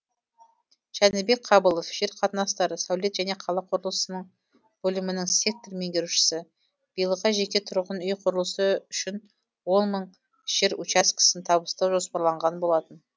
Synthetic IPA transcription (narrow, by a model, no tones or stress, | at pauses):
ʒ̥ænɪbe̞k̚qʰɑbəlˠofʒ̥eɾqʰɑt̪ənɑst̪ɑɾəsawle̞t̪ʒ̥æne̞qʰɑlˠɑqʰʊɾəlˠəsənəɴ | bɵlɪmɪnɪŋse̞k̚t̪orme̞ŋɡʲeɾuʃɪ̥sɪ | b̥ijlˠəʁɑʒe̞kʲe̞t̪ʰʊɾʁənʏjqʰʊɾəlˠəsəʏʃɪn | wo̞nməɴ | ʒ̥eɾut͡ʃɑskʲʰɪ̥sɪnt̪ʰɑβəst̪ɑwʒo̞spɑɾlˠɑɴʁɑnbo̞lˠɑt̪ən